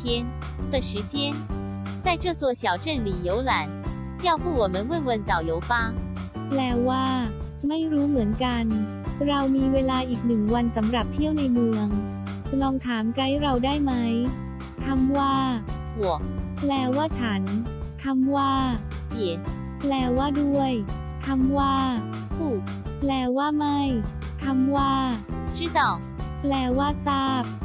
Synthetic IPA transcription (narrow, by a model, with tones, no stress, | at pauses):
t̪ʰjɛ˥n | t̪ə˧ʂɻ̩˧˥t͡ɕjɛ˥n | t͡sa˥˩ɪʈ͡ʂɤ˥˧t͡swɔ˥˩ɕjɑ˨˩ʊʈ͡ʂə˥˩nli˨˩jo˨˥ʊla˧˦n | jɑ˥˧ʊfu˥˩wɔ˨˩mə˦nwə˥˩nwə˧˩nt͡sa˨˩ʊjo˨˧˦ʊfa˥ | plɛː˧˩waː˥˩ | ma˥˩jɾuː˦˥mɯ˩˦ənka˧n | ɾa˧wmiː˧weː˧laː˧ʔiː˨˩k̚nɯ˨˩ŋwa˧nsa˩˦mɾa˨˩p̚t̪ʰi˥˩əwna˧jmɯ˧əŋ | lɔː˧ŋt̪ʰaː˩˦mka˦˥jɾa˧wdaː˥˩jma˦˥j | t̪ʰa˧mwaː˥˩ | wu˨˩˦k̚plɛː˧waː˥˩t͡ɕʰa˦˥nt̪ʰa˧mwaː˥˩ | ki˨˩˦n | plɛː˧waː˥˩du˥˩əj | t̪ʰa˧mwaː˥˩ | fʰu˨˩t̚plɛː˧waː˥˩ma˥˩j | t̪ʰa˧mwaː˥˩t͡ɕʰi˥˩t̪ɔ˨˩k̚plɛː˧waː˥˩saː˥˩p̚